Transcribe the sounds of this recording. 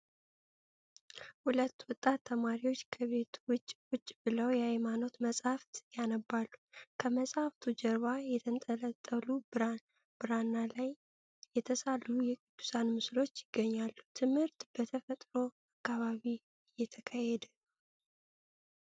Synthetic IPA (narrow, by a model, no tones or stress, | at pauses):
hulət̪ːwɔt̪ʼːat̪ʰːəmaɾiwo̞t͡ʃːkʰəβe̞t̪ʰwʊt͡ʃʼːwʊt͡ʃʼːbɨləwjɛhajmano̞t̪məsʼhaft̪janəbːalːukʰəməsʼhaft̪ʰud͡ʒɛɾβajɛt̪ʰənt̪ʼələt̪ʼːəlu | bɨɾanːalaj | jɛt̪ʰəsalujɛkʼib̪u̥sanmɨslo̞t͡ʃːjɪɡːəɲːalːut̪ʰɨmhɨɾt̪b̥ət̪ʰəfət̪ʼɾo̞ | akːaβaβi | ɨjːɛt̪ʰəkʰajɛd̪ɨ